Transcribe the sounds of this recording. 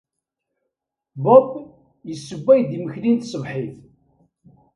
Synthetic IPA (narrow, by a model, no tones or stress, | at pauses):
bɔb | jəsːəbːæjd̪iməçlint̪sˤəvħiθ